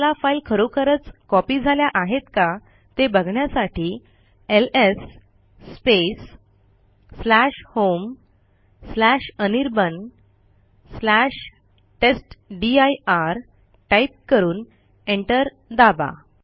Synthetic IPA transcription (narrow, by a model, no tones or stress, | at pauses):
lafailkʰəɾokʰəɾət͡skɔpid͡zʱaljaʔaɦet̪ka | t̪ebəɡʱɳjasaʈiː | elesː | pes | læɕhom | slæɕəniɾbən | slæɕ | ʈesʈɖiajaɾ | ʈaip̚kəɾuːn | eɳʈəɾ | d̪aba̰